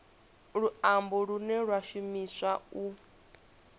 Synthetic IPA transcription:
ɺuambɔɺunɛɺwaʃumiswau

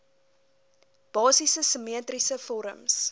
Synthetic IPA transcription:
b̥ɑːsisəsəmiətrisəfɔɾə̰ms

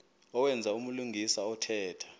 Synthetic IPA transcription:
ɔwɛnd͡zʱaumuluŋʱisaɔtʰɛːtʰḁ

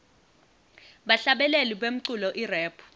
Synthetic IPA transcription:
ɓaɬaɓɛleliɓem̩ǀulɔʔirɛːpʰu̥

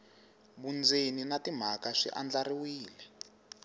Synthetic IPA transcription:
βund͡zeninatim̤akaʂḭʔand͡ɮariwiːlɛ

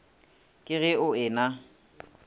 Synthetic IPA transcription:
kʼɪɣɪʊɪːna

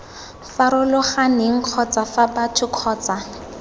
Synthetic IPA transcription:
faɾʊlʊχanɪŋ̩q͡χʰɔt͡safabatʰʊkʰɔːt͡sa

